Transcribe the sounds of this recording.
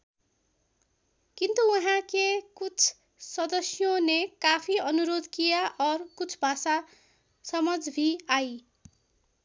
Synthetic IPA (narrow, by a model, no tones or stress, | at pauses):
kint̪uuɦãkekut͡sʰ | sʌd̪ʌsjonekapʰiʌnuɾod̪kijaʔʌrkut͡sʰbʱasa | sʌmʌd͡zbʱiaj